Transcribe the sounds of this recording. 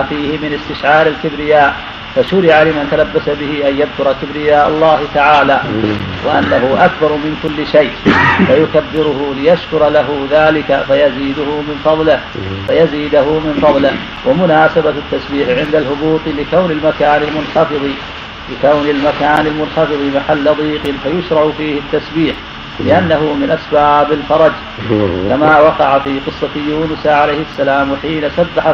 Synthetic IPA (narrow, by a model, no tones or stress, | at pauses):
fiːhɪmɪnɪst̪ɪʃʕaːɾɪlkɪbɾɪjaːʔ | faʃʊɾɪʕalɪmant̪alabːasabɪhɪʔanjad̪̚kʊɾˤɑkɪbɾɪjaːʔa̰lˤːaːhɪt̪aʕaːlaːwʔa̰ʔa̰nːaɦʊʔakbɑɾˤmɪnkʊlːɪʃajʔfajʊkabːɪɾʊɦʊlɪjaʃkʊɾˤɑlaɦʊðaːlɪkafajaziːd̪ʊhʊmɪnfɑðˤlɪhfajaziːd̪ʊɦʊmɪnfɑðˤlɪh | wʔamʊnaːsabat̪ːasbiːħʕɪnd̪alhʊbuːt̪ˤlɪkawnɪlmakaːnɪlmʊnħɑfɨðˤi | lɪkawnɪlmakaːnɪlmʊnħɑfɨðˤimaħalːaðˤiːqɨnfajʊʃɾˤɑʔfiːhɪt̪ːasbiːħ | lɪʔanːaɦʊmɪnʔasbaːbɪlfɑɾˤɑd͡ʒ | kamaːwɑqɑʕafiːqɨsˤːɑt̪juːnʊsʕalajhɪasːalaːmħiːnasabːaħa